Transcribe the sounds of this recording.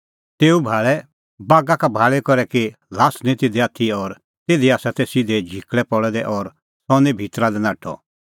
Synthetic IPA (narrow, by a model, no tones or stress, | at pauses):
t̪eːubʱaːɭɛ | baːɡakabʱaːɭɛkɔɾɛkilaːsnĩt̪eːd̪ɛaːt̪ʰiɔɾ | t̪eːd̪iaːsat̪ɛsid̪ɛd͡ʒʱikɭɛpɔɽɛd̪ɛʔɔɾ | sɔnɛbʱit̪ɾad̪ɛnaːʈʰɔ̰